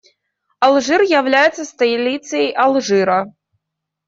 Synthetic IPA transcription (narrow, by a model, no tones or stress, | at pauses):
alˠʐɨrjawlʲajɛt̪sɐst̪ɐlʲit̪sɨjɐjʔalˠʐɨɾɐ